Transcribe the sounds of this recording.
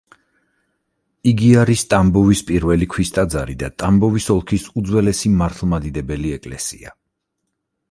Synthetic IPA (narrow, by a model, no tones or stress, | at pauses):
iɡiaɾist̪ʼambɔvispʼiɾvɛlikʰwist̪ʼad̪zaɾid̪at̪ʼambɔvisɔlˠkʰisud̪zwɛlɛsimaɾt̪ʰlˠmad̪id̪ɛbɛliɛkʼlɛsḭa̰